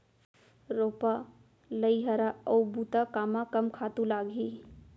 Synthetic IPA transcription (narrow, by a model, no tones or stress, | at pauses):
ɾoːpa | ləiɦəɾaɔwbuːt̪akaːmakɐmkʰaːt̪ũlaːɡʱi